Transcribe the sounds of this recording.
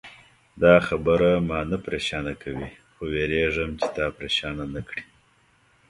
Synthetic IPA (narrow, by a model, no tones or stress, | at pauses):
d̪ɑxabəɾamɑnapɾeʃɑnakʰawi | xoweɾeʐəmt͡ʃe̥t̪ɑpɾeʃɑnanakɽi